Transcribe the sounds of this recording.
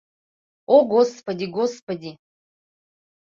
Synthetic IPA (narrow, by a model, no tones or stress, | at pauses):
oɡospɐdʲiɡospadʲi